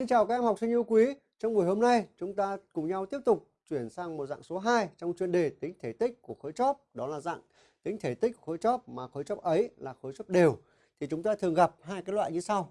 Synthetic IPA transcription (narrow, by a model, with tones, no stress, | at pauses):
i˧ŋt͡ɕaː˨˩wkaː˨˦˥kʔɛ˧mha˨˩w̚sɨ˧ʔi˧əwkwi˨˦ | t͡ɕɔ˧wŋ͡mvu˨˩əjho˧mna˧jt͡ɕʊ˨˦ŋ͡mt̪aː˧kʊ˨˩ŋ͡mɲa˧wt̪i˦˥əp̚t̪ʊ˨˩k͡p̚t͡ɕwi˧˩ənsaː˧ŋmo˨˩t̚za̰˧˨ŋso˨˦ɦaː˧jt͡ɕɔ˧wŋ͡mt͡ɕwi˧ənɗe˨˩t̪ï˨˦ŋ̟t̪ʰe˧˩t̪ï˦˥k̟̚ku˧˩əxoː˨˦jt͡ɕɔ˦˥p̚ɗɔ˨˦laː˨˩za̰ː˧˨ŋ | t̪i˨˦ŋ̟t̪ʰe˧˩t̪i˦˥k̟̚ku˧˩xoː˨˦jt͡ɕɔ˦˥p̚maː˨˩xoː˨˦jt͡ɕɔ˦˥p̚ʔə˨˦jlaː˨˩xo˨˦jt͡ɕɔ˦˥p̚ɗe˨˩w | t̪ʰi˨˩t͡ɕʊ˨˦ŋ͡mt̪aː˧t̪ʰɨ˨˩əŋɣa˨˩p̚ɦaː˧jkaː˨˦˥lwa̰ː˧˨ɲɨ˧sa˧w